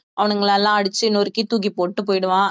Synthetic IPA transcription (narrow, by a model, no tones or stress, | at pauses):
ʔɐʋɐnɯŋɡɐɭaːlːãːɐɽɯt͡ʃːɯɪnːoɾɯkːit̪uːɣipoːʈːɯpoːjɪɽɯʋãː